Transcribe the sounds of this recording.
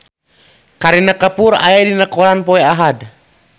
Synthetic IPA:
kaɾinakapuɾa̰edinakoɾanpoeaɦad

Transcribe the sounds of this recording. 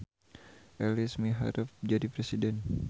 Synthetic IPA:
ʔɛlismiɦa̰ɾufd͡ʒadipɾesidɛn

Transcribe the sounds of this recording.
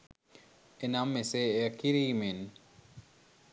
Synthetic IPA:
enamːeseeəkiɾiːmen

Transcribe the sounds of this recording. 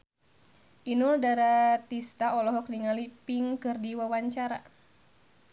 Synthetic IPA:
ʔinuldaɾat̪ist̪aɔlɔɦɔk̚niŋalipiŋkɨrdiwawaɲt͡ʃaɾa̰

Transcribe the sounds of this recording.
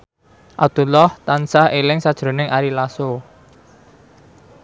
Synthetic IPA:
ʔat̪ulɔht̪ansahelɪŋsad̥ʒ̥ɾo̤nɪŋʔaɾilaso

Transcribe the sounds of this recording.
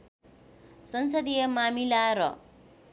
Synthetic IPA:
sʌnsʌd̪ijʌmamilaɾʌ̰

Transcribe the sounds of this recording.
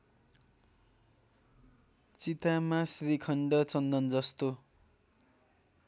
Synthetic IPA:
t͡sit̪amasrikʰʌɳɖʌt͡sʌnd̪ʌnd͡zʌst̪o

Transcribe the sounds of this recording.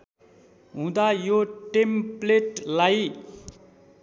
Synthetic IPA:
ɦũd̪ajoʈempleʈlaj

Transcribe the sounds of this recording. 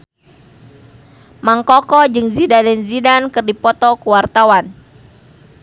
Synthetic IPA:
maŋkɔkɔd͡ʒɨŋzidadɛnzidankɨrdipɔt̪ɔkuwart̪awan

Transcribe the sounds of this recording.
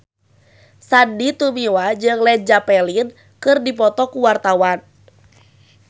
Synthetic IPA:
sadit̪umiwad͡ʒɨŋlɛd͡ʒapɛlin | kɨrdipɔt̪ɔkuwart̪awan

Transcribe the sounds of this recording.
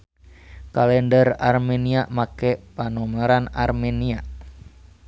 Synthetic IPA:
kalɛndərarmeniaʔmakɛpanɔmaɾanarmenia

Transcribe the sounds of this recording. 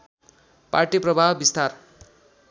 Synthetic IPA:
parʈiprʌbʱabbist̪ar

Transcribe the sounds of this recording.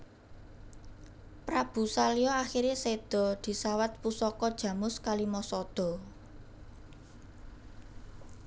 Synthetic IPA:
pɾab̥ṳsaliɔaxiɾesed̪̥ɔ̤d̪̥i̤sawat̪̚pusɔkɔd̥ʒ̥ä̤mʊskalimɔsɔd̪̥ɔ̤

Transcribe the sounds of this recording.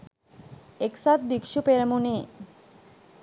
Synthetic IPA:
eksat̪̚bikʃupeɾmune

